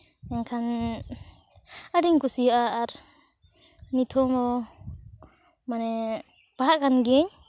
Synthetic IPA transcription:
ɛŋkʰan | adiŋkusiaaɾ | nit̪ʰɔmɔ | manɛ | paɦaʔkanɡɛɲ

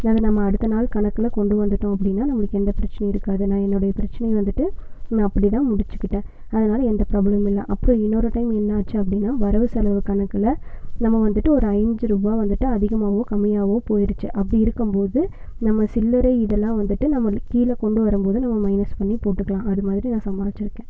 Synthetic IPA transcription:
nɐðɐnɐmːɐːɽɯt̪ːɐnaːlkɐɳɐkːɯlɐkɔɳɖɯʋɐnd̪ɯʈːʊ̃ɐpːɐɽɪnːaːnɐmːɯɭɯkːɯɛnd̪ɐpɪɾɐt͡ʃːɐnɐjɪɾɯkːaːðɯnãːɛnːɯɽɐjɐpɪɾɐt͡ʃːɐnɐjʋɐnd̪ɯʈːɯnɐpːɐɽit̪ãːmʊɽɪt͡ʃːɯ̥kːɪʈːẽː | ɐðɐnaːlɐɛnd̪ɐpɪɾaːbɭɐmɪlːɐ̰ʔɐpːɯɾɔ̃ɪnːɔɾɯʈɐɪmɛnːɐːt͡ʃːɯɐp̬ːɐɽɪnːaːʋɐɾɐʋɯsɐlɐʋɯkɐɳɐkːɯlɐnɐmːɐʋɐnd̪ɯʈːɯɔɾɯɐɪɲd͡ʒɯɾubaːʋɐnd̪ɯʈːɯɐðɪɣɐmaːʋõːkɐmːɪjaːɣõːpoːjɪɾɯt͡ʃːɯʔɐpːɐɽiɪɾɯkːɯmpoːðɯ | nɐmːɐsɪlːɐɾeɪɪðɛlːãːʋɐnd̪ɯʈːɯnɐmːɐkiːlɐkɔɳɖɯʋɐɾɯmpoːðɯnɐmːɐmɐɪnɐspɐɳːipoːʈːɯkːɐɭãːʔɐðɯmaːðɪɾinãːsɐmbaːʋɪt͡ʃːɪɾɯkːẽː

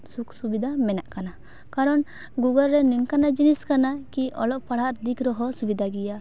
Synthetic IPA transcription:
suksubid̪ʱamɛnaʔkana | kaɾɔn | ɡuɡəlɾɛniŋkanad͡ʒiniskanakiʔɔ̰lɔʔpaɽ̤ɦaɾd̪ikɾɔɦɔsubid̪ʱaɡija

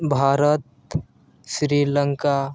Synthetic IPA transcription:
bʱaːɾət̪̚ | ʃɾiːləŋka

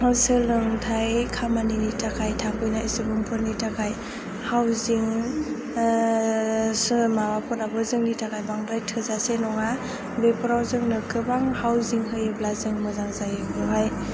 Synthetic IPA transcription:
hɯsɯlɯŋtʰajkʰamaninitʰakʰajtʰakʰɯjnaisɯbɯŋpʰɯɾnitʰakʰaj | hawziŋ | sɯmawapʰɔnabɯzɯŋnitʰakʰajbaŋdajtʰɯzasenɔŋa | bepʰɔɾawzɯŋnɯkʰɯbaŋhawziŋɦɯjɯblazɯŋmɯzaŋzajkʰɔɦaj

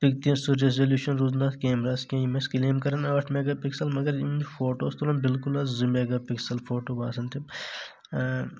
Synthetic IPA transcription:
pikt̪ĩsuɾezɐljuːʃɐnɾuːznaːt̪ʰkeːmɾaːskʲɐ̃ːjimeskileːmkɐɾɐnɐːɐʈʰmeːɡaːpiksɐlmɐɡɐɾimfʰoːʈoːst̪olɐmbɪlkulɐzzimeːɡaːpiksɐlfʰoːʈoːbaːsɐnt̪ʰim

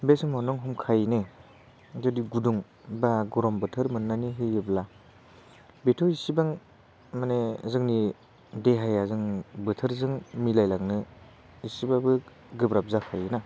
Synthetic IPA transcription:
besɯmawnɔŋɦɔmkʰajne | zɔdiɡuduŋ | baɡɔɾɔmbɯtʰɯɾmɯnːaniɦɯɯbla | betʰɔisibaŋ | manezɯŋni | deɦajazɯŋbɯtʰɯɾzɯŋmilajlaŋnɯ | isibabɯ | ɡɯbɾap̚zakʰajɯna

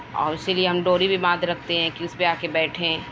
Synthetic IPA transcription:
ɔ̰ːɾɪsilieɦɐmɖoːɾibʱimãːd̪ʱɾɐk̚ʰt̪eɦɛ̃ːkiʊsbʱiaːkebɛːʈʰẽː

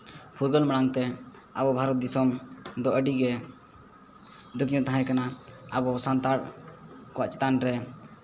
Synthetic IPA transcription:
pʰuɾɡəlmaɽaŋt̪ɛabɔbʱaɾɔt̪̚d̪isɔmd̪ɔʔəɖiɡɛ | d̪ukijɔ̃t̪aɦãjkanaabɔsant̪aɾ | kɔwa̰ʔt͡ʃɛ̥t̪anɾɛ

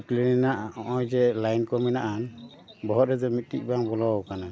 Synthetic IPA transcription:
klinɛnaʔɔʔɔjd͡ʒɛlajnkɔmɛnaʔan | bɔɦɔt̪̚ɾɛd͡ʒɔmit̪̚tḭk̚ˀbaŋbɔlɔwkana

